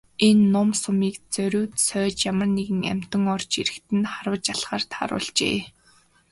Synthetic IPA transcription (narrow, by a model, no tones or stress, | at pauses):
enːʊmsʊmiːkt͡sœɾʲʊːt̪sœːt͡ɕjamə̆rneɣɘ̆ŋæ̰m̥ʲt̪ə̆ŋɔrt͡ɕiɾɘ̆xt̪ɘ̆nχaɾʊːt͡ɕaɮχaːrt̪ʰa̰ɾʊ̰ːɮt͡ɕḛː